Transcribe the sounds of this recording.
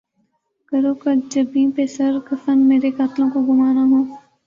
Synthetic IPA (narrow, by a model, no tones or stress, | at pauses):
kɐɾoːkɐd͡ʒɐbĩːpesɐɾkɐfənmeːɾekaːt̪lõkoɡʊmaːɾaɦõː